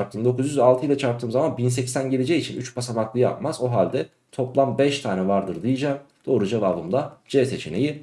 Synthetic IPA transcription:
ɾp̚t̪ʰɯːmd̪o̞kʰuzjyzalˠt̪ʰɯjlˠat͡ʃʰaɾt̪ʰɯːmzamanbinsɛcsænɟelʲed͡ʒɛjit͡ʃʰinyt͡ʃpʰasamaklˠɯjɯa̰pmazoɦalʲd̪ɛ | t̪ʰo̞plˠambɛʃt̪ʰaːnɛvaɾd̪ɯɾd̪ijid͡ʒamd̪̥o̞ːɾud͡ʒavavɯmd̪ad͡ʒɛse̞t͡ʃʰe̞ne̞ji

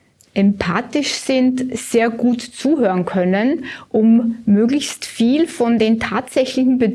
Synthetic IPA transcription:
ʔɛmpʰaːtɪʃz̥ɪntz̥eːɐɡuːtt͡suːɦøːʁənkʰœnənʔʊmːøːɡlɪçstfiːlfɔndeːntʰaːtz̥ɛçlɪçn̩bə

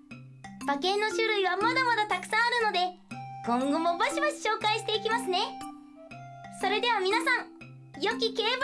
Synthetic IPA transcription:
b̥akẽ̞nːo̞ɕɨɾɯ̟iβamad̪amad̪at̪akɯ̟̥sãaɾɯ̟no̞d̪e̞ | ɡ̥õ̞ŋɡo̞mo̞baɕibaɕi̥ɕo̞ːkaiɕi̥t̪e̞ikʲimasɨne̞ | so̞ɾe̞d̪e̞β̞amʲinasãŋ | jo̞kʲike̞ːb

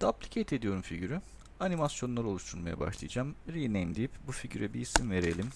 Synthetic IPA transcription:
d̪̥ablʲicʰet̪ʰe̞d̪ijo̞ɾumfiɟyɾy | animasjo̞nlˠaɾɯo̞lˠuʃt̪ʰuɾmaja̰ba̰ʃlˠɯ̰jd͡ʒamɾinejmd̪ijipbufiɟyɾɛbiːsimve̞ɾe̞lʲim

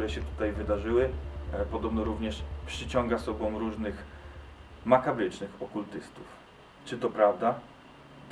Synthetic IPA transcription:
uɾɛɕɛt̪u̥t̪ajvɘd̪aʐɘwɘpɔd̪ɔbnɔɾuvɲɛʂpʂɘt͡ɕɔŋɡasɔbɔ̃w̃ɾuʐnɘx | makabɾɘt͡ʂnɘxɔkult̪ɘst̪uf | t͡ʂɘt̪ɔpɾavd̪a

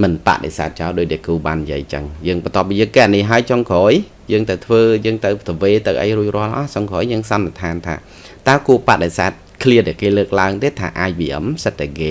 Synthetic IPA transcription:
mɨnpa̰ʔɗḛsa̰ːt̪̚t͡ɕaɔɗoːc̚ɗakuːɓaːnːjḭəjt͡ɕə̰ŋjəːŋɓɑnt̪ŏəp̚ːiːjəːŋkeʔnihɦaəjt͡ɕɑŋkɔːj | jəːŋt̪əwt̪ʰʋəːjəːŋt̪ɨwt̪əʋeːt̪ɨwʔə̰jruəc̚rʊ̆əlʔɑht͡ɕɑŋkʰoːjjəːŋsɑnːet̪ʰaːnt̪ʰa̰ː | t̪aəkuəpaʔɗesaːt̪̚kʰliəɗaɛkeːləːk̚laəŋt̪eːt̪ʰa̰ːʔaːc̚ɓiʔə̰msət̪̚ːakeː

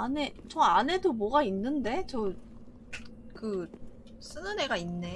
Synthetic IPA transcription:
ane̞t͡ɕʌane̞domwʌɡainːɯnde̞t͡ɕʌ | kɯ | s͈ɯnɯne̞ɡainːe̞

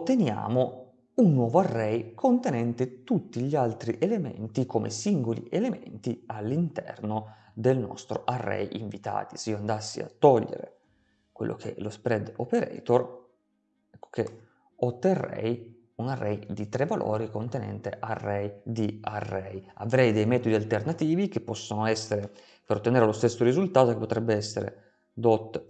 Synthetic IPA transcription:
ot̪ːenja̰ːmo | unːwɔːvoarːɛjkʰont̪enɛnt̪et̪ut̪ːiʎialt̪ɾiʔelemḛnt̪ikʰomʔḛsiŋɡolḭʔelement̪ialːint̪ɛrno | d̪elnɔ̰st̪ɾoʔarːɛ̰jʔiɱvit̪a̰ːt̪i̥seioand̪asːḭa̰t̪ːɔʎːḛɾḛ | kwḛlːʔo̰k̟ʰelospɾɛd̪opeɾɛ̰t̪or | ɛkːo̥ke | ot̪ːerːɛ̰j | unarːɛjd̪it̪ɾevːalʔo̰ːɾikont̪enɛ̰nt̪eʔarːɛjd̪iarːɛjavɾɛjd̪ɛjmɛːt̪od̪ialt̪ernat̪iːvik̟epːɔsːonoɛsːeɾe | peɾot̪ːeneːɾelost̪esːoɾizult̪aːt̪okepːot̪ɾɛbːeɛsːeɾḛ | d̪ot̪ː

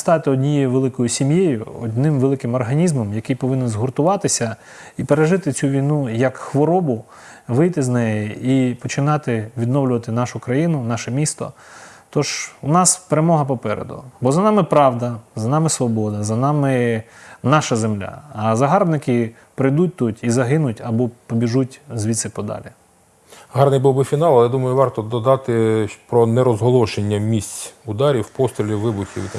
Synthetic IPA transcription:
st̪ɑt̪ɪɔdʲnʲijɛʋelˠɪkɔjʊsʲimjejʊ̰ɔ̰d̪ʲnɪmʋelˠɪkɪmɔrɦɐnʲizmɔmjɐkɪjpɔʋɪnɛnzɦʊrt̪ʊʋɑt̪ɪsʲɐ | ipeɾeʒɪt̪ɪt͡sʲuʋʲijnujɐkxʋɔɾɔbʊ | ʋɪjt̪ɪznɛjɛipɔt͡ʃɪnɑt̪ɪʋʲid̪nɔwlʲʊʋɐt̪ɪnɑʃʊkɾɐjinʊnɑʃɛmʲist̪ɔ̰ | t̪ɔʒ̥ʊnɑspeɾemɔɦɐpɔpɛɾḛd̪ʊ̰bɔzɐnɑmɪpɾɑʋd̪ɐzɐnɑmɪsʋɔbɔd̪ɐzɐnɑmɪ | nɑʃɐzemlʲa̰ɐzɐɦɑrbnɪkɪ | pɾɪjd̪ut̚ʲt̪utʲizɐɦɪnʊtʲɐbɔpɔbʲiʒutʲzʲʋʲit̪sɪpɔd̪ɑ̰lʲi | ɦɑrnɪjbuwbɪfʲinɑlˠɐlˠɛd̪umɐjʊʋɑrt̪ɔd̪ɔd̪ɑt̪ɪpɾɔnɛɾɔzɦɔlˠɔʃenʲːɐmʲisʲt͡sʲʊd̪ɑɾʲiwpɔst̪ɾʲilʲiʋɪbʊxʲḭw

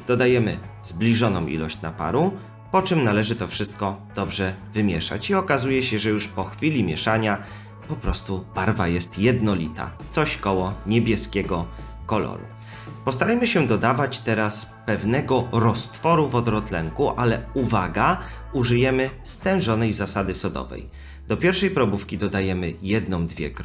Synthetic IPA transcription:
d̪̥ɔd̪ajɛmɘ̰z̥blʲiʐɔnɔ̃w̃ʔḭlɔ̰ɕt͡ɕna̰pa̰ɾu | pɔt͡ʂɘmnalɛʐɘt̪ɔfʂɘst̪̚kɔd̪̥ɔbʐɛvɘmʲjɛʂa̰t͡ɕiɔkazujɛɕɛʐɛjuʂpɔxfʲilʲimʲjɛʂaɲa | pɔpɾɔst̪ubaɾvajɛst̪jɛd̪nɔlʲit̪a̰t̪sɔɕkɔwɔɲɛbʲjɛskʲɛɡɔ | kɔlɔ̰ɾṵ | pɔst̪aɾajmɘɕɛd̪ɔd̪avat͡ɕt̪ɛɾaspɛvnɛɡɔɾɔst̪fɔɾuvɔd̪ɾɔt̪lɛ̰ŋkuʔalɛuvaɡa | uʐɘjɛmɘst̪ɛ̃w̃ʐɔnɛjzasad̪ɘsɔd̪ɔ̰vɛ̰j | d̪̥ɔpʲjɛɾfʂɛjpɾɔbufkʲid̪ɔd̪ajɛmɘjɛd̪nɔ̃w̃d̪vʲjɛ̰k

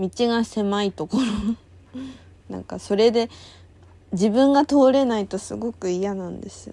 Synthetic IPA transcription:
mʲit͡ɕiɡase̞mait̪o̞ko̞ɾo | nã̰ŋkaso̞ɾe̞d̪e̞ | d͡ʑibɯ̟̃ŋɡat̪o̞ːɾe̞nait̪o̞sɨɡo̞kɯ̟ijanãnd̪e̞sɨjo

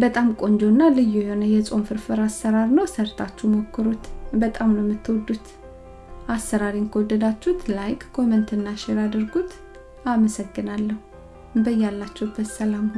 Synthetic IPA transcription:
bət̪ʼamkʼo̞nd͡ʒonːalɨjːujho̞nəjɛsʼo̞nfɨɾfɨɾasːəɾaɾnəwsəɾt̪ʰat͡ʃːumo̞kːɨɾut̪bət̪ʼamnəwɛmːɨt̪ːwɔd̪ːut̪ | ʔasːəɾaɾinkʰəwɔd̪ːəd̪at͡ʃːhut̪lajkʼkʰo̞mənt̪ɨnːaʃɛɾad̪ɨɾɡut̪ | aməsəɡːɨnalːəhu | bəjːalːat͡ʃːɛhɨbːət̪səlam

